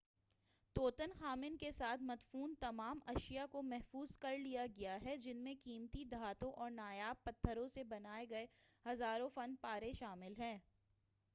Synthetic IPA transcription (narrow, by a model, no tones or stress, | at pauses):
t̪oːt̪ənxaːmɪnkesaːt̪ʰmɐt̪fuːnt̪ɐmaːmɐʃijakomɛɦfuːz̥kɐɾlijaɡɐjaɦɛd͡ʒɪnmẽkiːmt̪id̪ʱaːt̪õʔɔːɾnaːjaːb̚pɐt̪ʰːəɾõsebɐnaːeɡɐehɐzaːɾõfɐnpaːɾeʃaːmɪlɦɛ̃ː